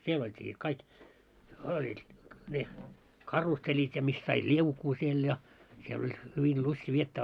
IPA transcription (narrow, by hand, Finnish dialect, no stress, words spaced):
siel oltʲiː sit kɑik olʲ ne kɑrusːelʲit jɑ mis sɑit liukuː siel jɑ siel olʲ hyʋil lusti ʋietːæː